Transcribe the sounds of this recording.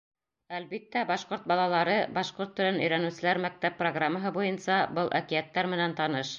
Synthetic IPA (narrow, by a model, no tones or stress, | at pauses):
ælbit̪ːæbɑʃqoɾt̪̚bɑlˠɑlˠɑɾɤbɑʃqoɾt̪ːɵ̆ɾɘnɵ̆jɾænʉ̆sɘ̆læɾmæk̚t̪æpːroɡramːəɦɤbujɤnsɑbɤlˠʔækiæt̪ːæɾmɘ̆nænt̪ɑnɤʃ